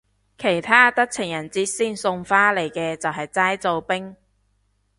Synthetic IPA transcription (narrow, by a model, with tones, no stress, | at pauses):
kʰe˨˩jt̪ʰaː˥t̪ɐ˥k̚t͡sʰɪ˨˩ŋjɐ˨˩nt͡siː˧t̚siː˥˩nsʊ˧ŋfaː˥le˨˩jkɛː˧t͡sɐ˨wɦɐ˨jt͡saː˥jt͡so˨˧wpɪ˥ŋ